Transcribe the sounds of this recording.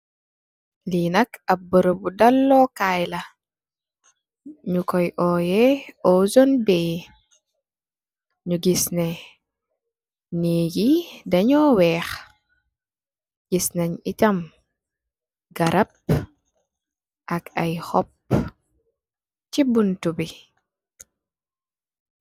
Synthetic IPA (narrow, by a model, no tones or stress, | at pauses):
linɐkɐbəɾəbudɐlːɔkajlɐ | ɲukɔjʔɔːjɛɔzɔnbɛː | ɲuɡisnɛ | neːɡidaɲɔwɛːx | ɡisnaɲitam | ɡaɾap̚ | ʔakajxɔp | t͡ʃibuntubi